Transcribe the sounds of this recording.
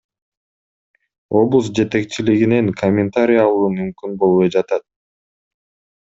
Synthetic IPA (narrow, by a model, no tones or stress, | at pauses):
o̞blˠusd͡ʒe̞t̪e̞k̚t͡ʃiliɡine̞ŋkʰomʲːɪnt̪aɾʲijɑlˠuːmymkynbo̞lˠβojd͡ʒɑt̪ɑt̪̚